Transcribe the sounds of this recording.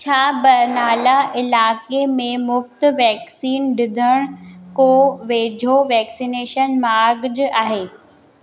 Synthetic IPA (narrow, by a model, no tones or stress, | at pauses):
t͡ɕʰaːbɐɾnaːlaʔɪlaːkemẽmʊft̪ʋɛːksiːnɖɪd̪ʱəɽ̃koːʋeːd͡ʑʱoʋɛːksineːʃənmaːɾɡd͡ʑaːɦeː